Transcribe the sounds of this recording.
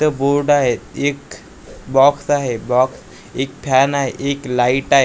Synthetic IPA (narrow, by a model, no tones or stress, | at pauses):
t̪əboɾɖaɦet̪ek | bɔksaɦebɔks | ek̚pʰanaɦeʔeklaiʈaɦe